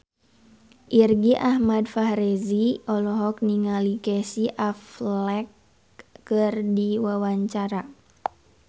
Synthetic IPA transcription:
ʔirɡiʔahmadfahɾeziʔɔlɔɦɔk̚niŋalikɛsiʔaflɛkː | ɨrdiwawaɲt͡ʃaɾa

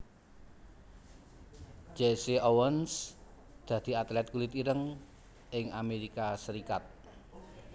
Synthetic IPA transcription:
d͡ʒesiʔowəns | d̪̥ä̤d̪̥i̤at̪lɛt̪̚kulɪt̪iɾəŋ | ɪŋameɾikasəɾikat̪̚

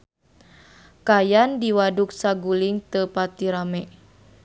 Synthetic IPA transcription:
kajandiwaduk̚saɡuliŋt̪əpat̪iɾamɛ

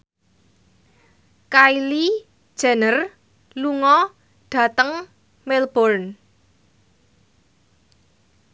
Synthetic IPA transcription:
kaili̥ | ʒ̥a̤nər | luŋɔ | ɖ̥ä̤t̪əŋ | melb̥ɔrn

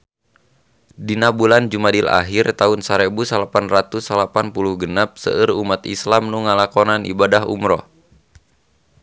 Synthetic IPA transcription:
dinabuland͡ʒumadila̰ɦirt̪aunsaɾebusalapanrat̪usalapanpuluhɡənap̚sə̰ʔɨrumat̪ḭslamnuŋalakɔnanḭbadaɦṵmɾɔ̰

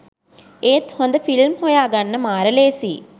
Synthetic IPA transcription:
ejt̪hond̪əfilmhojaːɡanːəmaːɾəleːsḭː

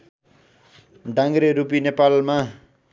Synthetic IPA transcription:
ɖãŋɾeɾupinepalma

